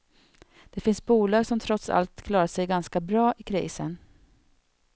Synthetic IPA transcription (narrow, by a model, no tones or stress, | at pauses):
d̪̥ɛfɪnsbuːlɑːɡsɔmt̪ʰɾɔt̪sa̰lt̪kʰlɑːɾaʂɛjɡanskabɾɑːʔɪkʰɾḭːsən